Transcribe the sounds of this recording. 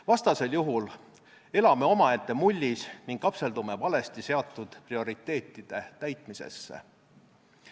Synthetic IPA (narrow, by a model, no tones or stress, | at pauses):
vɑst̪ɑse̞ljuɦul | e̞lɑme̞o̞mɑet̪ːˑe̞mulʲːisniŋɡ̥lɑpse̞ld̪ume̞vɑle̞st̪ise̞ɑt̪ːˑud̪̥prio̞ɾit̪ːˑe̞ːt̪ːˑid̪̥e̞t̪æjt̪ˑmise̞̰sːḛ